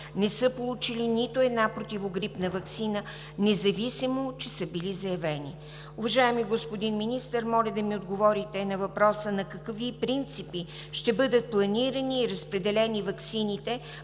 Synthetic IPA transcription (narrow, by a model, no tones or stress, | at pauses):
nɛsɤpolˠut͡ʃilinit̪oɛd̪napɾot̪ʲivoɡɾipnəvɐksinə | nɛzɐvisimot͡ʃɛsəbilizɐjɐvɛnḭ | ʊvɐʒaɛmiɡospod̪inminist̪əɾmɔlʲəd̪ɐmiod̪ɡovɔɾit̪ɛnɐvɐpɾɔsənɐkɐkvipɾint̪sipi | ʃt̪ɛbɤd̪ət̪̚plˠɐniɾəniːɾəspɾɛd̪ɛlɛnivɐksinit̪ɛ